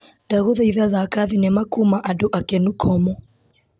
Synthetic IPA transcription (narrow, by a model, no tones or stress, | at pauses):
d̥aɣɔðaiðaðakaðinɛmakumaʔaduʔakɛnukʰɔmɔ